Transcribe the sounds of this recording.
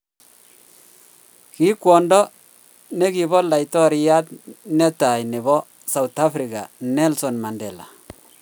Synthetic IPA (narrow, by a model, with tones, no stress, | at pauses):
ki˦kwɔ˨ndɔ˦ | ne˦ki˨bɔ˦la˨jtɔ˦ɾi˨ja˦tnɛ˦ta˨jni˨bɔ˦ | sa˨u˨ta˦fɾi˨ka̰˨nɛ˦lsɔ˨nma˨ndɛ˨la̰˨